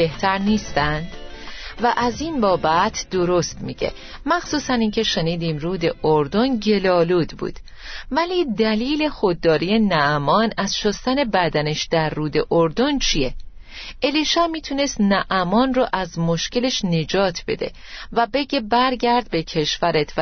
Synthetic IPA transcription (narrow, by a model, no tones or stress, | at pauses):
e̞ht̪ʰæɾniːst̪ænd̪̥væʔæziːnbɒːbæt̪ʰd̪o̞ɾo̞st̪miːɟḛ | mæxsuːsæniːncʰe̞ʃe̞niːd̪iːmruːd̪e̞ʔoɾd̪o̞nɟe̞lɒːluːd̪bṵːd̪̥ | væliːd̪æliːle̞xo̞d̪̚ːɒːɾije̞næʔæmɒːnæzʃost̪æne̞bæd̪æneʃd̪̥æɾːuːd̪e̞ʔoɾd̪o̞nt͡ʃʰije | ʔeliːʃæmiːt̪ʰune̞st̪næʔæmɒːnroʔæzmo̞ʃce̞le̞ʃne̞d͡ʒɒːt̪ʰb̥e̞̰d̪e̞̰ | væbe̞ɟe̞bæɾɟæɾd̪̚be̞cʰe̞ʃvæɾet̪ʰv